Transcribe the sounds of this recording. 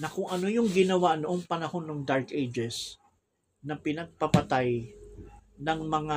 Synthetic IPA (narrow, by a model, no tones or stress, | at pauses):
nɐkʊŋʔɐno̞jʊŋɡɪnɐwanoʔoŋpɐnɐho̞nːoŋd̪aɹkejd͡ʒɛs | nɐpɪnɐɡ̚pɐpɐt̪aj | nɐŋmɐŋa